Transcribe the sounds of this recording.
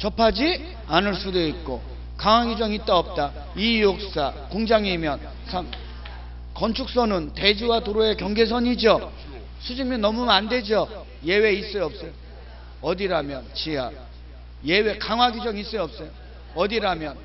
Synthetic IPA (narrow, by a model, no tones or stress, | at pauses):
t͡ɕʌpʰad͡ʑi | anɯɭs͈udoit̚k͈o | kaŋwaɡid͡ʑʌŋit͈aʌp̚t͈a | ijok̚s͈akoŋd͡ʑaŋimjʌn | sʰaŋ | kʌnt͡ɕʰuk̚s͈ʌnɯnte̞d͡ʑiwatoɾoe̞kjʌŋɡe̞s̬ʰʌɲid͡ʑo | sʰud͡ʑiŋmjʌnːʌmumande̞d͡ʑo | je̞we̞is͈ʌjʌp̚s͈ʌjo | ʌdiɾamjʌnt͡ɕia̰k̚ | jewe̞kaŋɦwaɡid͡ʑʌŋis͈ʌjʌp̚s͈ʌjo | ʌdiɾamjʌn